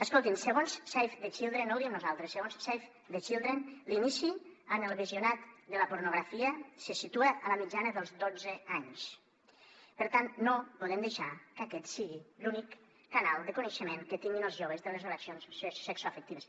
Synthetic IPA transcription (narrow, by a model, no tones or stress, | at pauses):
əskolˠt̪insəɣonssɛjfd̪ət͡ʃilˠd̪ɾenolˠd̪ieəmnuzalˠt̪ɾəsːəɣonssajf | d̪ət͡ʃilˠd̪ɾenlinisiənəlˠβiziunat̪d̪ələpuɾnuɣɾafiəsəsit̪uəʔələmid͡ʒanəðəlˠzd̪od͡zəaɲs | pəɾt̪annopuðɛmd̪eʃakakɛt̪siɣilunikː | analˠd̪əkunəʃəmeŋkət̪iŋɡinəlˠzʒoβ̞əzðələzoləsijonsssɛksoafək̚t̪iβəs